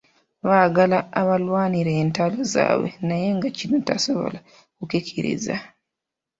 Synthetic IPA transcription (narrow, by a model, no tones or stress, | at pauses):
βaːɡalaːβalwaːniɾeːntaloza̰ːβwḛnaje̞ŋɡacinotasoβo̞̰la | kukekʰeɾḛza̰